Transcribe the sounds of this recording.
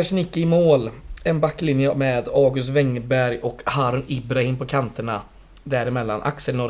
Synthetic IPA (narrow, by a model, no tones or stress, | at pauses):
aʂnɪkːɪɪmoːlɛnbakːlɪnjəmeːd̪ɑːɡɵst̪vɛŋːbæɾjɔkhaːɾʊnɪbɾahɪmpʰɔkʰant̪əɳa | d̪æɾɪmɛlːa̰nʔa̰ksəlnɔɾ